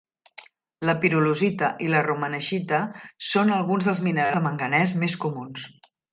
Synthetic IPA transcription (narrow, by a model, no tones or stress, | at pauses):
ləpiɾuluzit̪əʔilərumənəʒit̪əsonəlˠɣunzðəlˠzminəɾaməŋɡənɛzmeskumuns